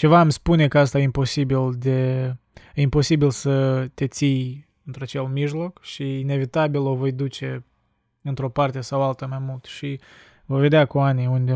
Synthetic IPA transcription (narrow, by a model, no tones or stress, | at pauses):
t͡ʃe̞vaːmspune̞kəas̬t̪ajimpo̞sibild̪e | impo̞sibilsət̪e̞t̪sij | ɨnt̪ɾuat͡ʃe̞lmiʒlo̞kʃiːne̞vit̪abilo̞vo̞jd̪ut͡ʃe̞ | ɨnt̪ɾo̞part̪e̞sawalt̪əmajmult̪ʃi | vojve̞d̪eakuanijund̪e